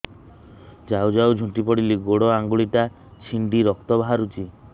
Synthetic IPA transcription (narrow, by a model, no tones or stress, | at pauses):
d͡ʒawd͡ʒawd͡ʒʱũʈipɔɽiliɡoɽɔaŋɡuɭiʈa | t͡ʃʰiɳɖiɾɔkt̪ɔbɦaɾut͡ʃi